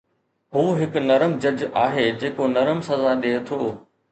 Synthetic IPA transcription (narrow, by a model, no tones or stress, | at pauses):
ɦuːɦɪknɐɾəmd͡ʑɐd͡ʑaːɦed͡ʑeːkonɐɾəmsɐzaɗeːt̪ʰoː